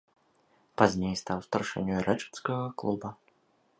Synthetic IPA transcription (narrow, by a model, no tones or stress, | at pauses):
pazʲnʲejst̪awst̪ɐrʂɛ̰nʲuɾɛt͡ʂɛ̥t̪skɐɣɐklˠubɐ